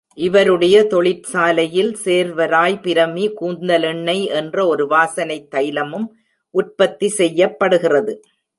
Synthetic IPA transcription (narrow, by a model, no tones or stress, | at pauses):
ʔɪʋɐɾɯɽɐjɐt̪ɔɭɪpsaːlɐjɪlseːɾʋɐɾaːjpɪɾɐmikuːnd̪ɐlɪɳːɐɪʔɛndrɐɔɾɯʋaːsɐnɐɪt̪ːɐjɪlɐmɯm | ʔʊʈ̚pɐt̪ːisɛjːɐpːɐɽɯɣɪrɐðɯ